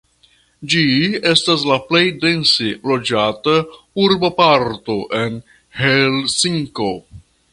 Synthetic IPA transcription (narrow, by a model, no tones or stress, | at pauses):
d͡ʒie̞stas̬laple̞jde̞nselo̞d͡ʒata | uɾbapaɾto̞ʔe̞n | helsiŋko